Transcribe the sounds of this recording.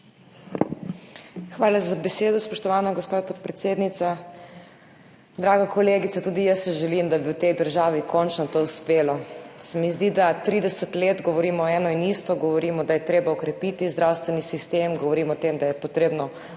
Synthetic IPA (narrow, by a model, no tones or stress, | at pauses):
xʋaːlazabɛseːd̪ɔspɔʃt̪ɔʋaːnɔɡɔspoːt̪pɔt̪pɾɛt̪seːd̪nit̪sa | d̪ɾaːɡakɔleːɡit̪sat̪uːd̪ijəsːɛʒɛlimd̪abiwt̪ɛjd̪əɾʒaːʋikʰɔnt͡ʃnɔt̪ouspeːlɔsɛmizd̪id̪at̪ɾiːd̪ɛsət̪leːd̪ɡɔʋɔɾiːmɔːɛːnɔinist̪ɔɡɔʋɔɾiːmɔd̪ajɛt̪ɾeːbaɔkɾɛpit̪izd̪ɾawst̪ʋɛnisist̪emɡɔʋɔɾiːmɔt̪emd̪ajɛpɔt̪ɾeːbnɔ